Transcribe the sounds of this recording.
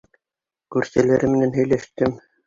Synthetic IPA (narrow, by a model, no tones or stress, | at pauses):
kʉɾsælæɾɘmɘ̆nænɦɵ̆jlæʃt̪ɘm